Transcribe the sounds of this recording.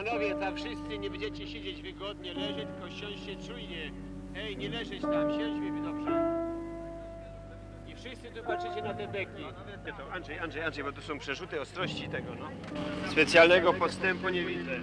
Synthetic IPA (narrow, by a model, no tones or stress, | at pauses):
panɔvʲjɛt̪afʂɪst̪sɘɲɛbɛɲd͡ʑɛt͡ɕɛɕed͡ʑed͡ʑvɘɡɔd̪ɲɛlɛʐɛt̪kɔɕɔ̃ɕɕɛtt͡ʂujɲɛ | ɛjɲɛlɛʐɛt͡ɕt̪amɕɛ̃d͡ʑvʲɨvʲnɔpʂɛ | ifʂɪst̪sɨt̪upaɛt͡ɕɛnat̪ɛb̪ɛkʲi | ɛt̪ɛt̪ɔanʐɛjanʐɛjanʐɛjbɔt̪usɔ̃w̃pʂɛʐut̪ɘɔst̪ɾɔɕt͡ɕit̪ɛɡɔnɔ | spɛt̪sʲjalnɛɡɔpɔst̪ɛmpuɲɛvʲid̪zɛ